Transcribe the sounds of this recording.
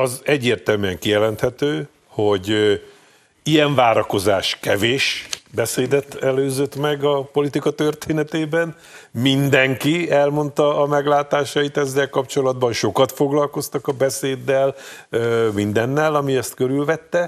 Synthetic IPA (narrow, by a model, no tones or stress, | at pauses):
ɒzɛɟːeːrt̪ɛlmyɛŋkijɛlɛnt̪hɛt̪øː | ho̞ɟ | ijɛɱvaːɾɒko̞zaːʃkɛveːʃbɛseːd̪ɛt̪ɛløːzøt̪mɛɡɒpo̞lit̪ikɒt̪ø̞rt̪eːnɛt̪eːbɛn | mind̪ɛŋkiɛlmo̞nt̪ɒːmɛɡlaːt̪aːʃɒit̪ɛzːɛlkɒpt͡ʃo̞lɒd̪bɒnʃo̞kɒt̪fo̞ɡlɒlko̞st̪ɒkɒbɛseːd̪ːɛlømind̪ɛnːɛlɒmiɛst̪køɾylvɛt̪ːɛ